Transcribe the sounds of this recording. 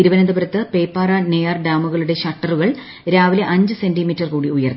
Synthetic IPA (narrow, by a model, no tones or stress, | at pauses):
iɾuʋɐnɐnd̪ɐbɐɾɐt̪ːɨpejpːaːrɐnejɐrɖaːmuɣɐɭuɽe̞ɕɐʈːɐruɣɐɭ | ɾaːʋileʔɐɲd͡ʑɨse̞ndimitːɐrkuːɽiujɐrn